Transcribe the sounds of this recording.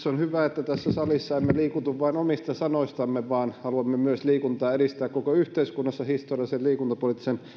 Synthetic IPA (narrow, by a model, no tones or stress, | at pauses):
sonhyʋæet̪ːæt̪æsːæsɑlisːɑemːeliːkut̪uʋʋɑinomist̪ɑsɑnoist̪ɑmːeʋɑːnhɑluɑmːemyøsliːkunt̪ɑːeɾist̪æːkkokoyht̪eiskunːɑsːɑhist̪orijɑliselliːkunt̪ɑpolit̪ːisen